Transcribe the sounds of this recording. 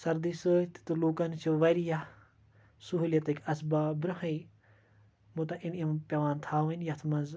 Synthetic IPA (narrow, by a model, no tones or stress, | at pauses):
sɐɾd̪isɨːt̪i̥t̪uluːkɐnt͡ʃʰiʋɐjɾija | suɦuljɐt̪ɨkʲɐsbaːbɾɐɦɐi | mut̪ɐʔinimpʲɐʋaːnt̪ʰaːʋɐnʲjɐt̪ʰmɐnz